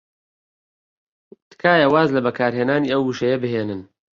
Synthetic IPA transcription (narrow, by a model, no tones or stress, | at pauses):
t̪kʰaːjawaːzlɐbɐkʰaːɾɦeːnaːniːɐwhuːʃɐjɐbɨɦeːnɨn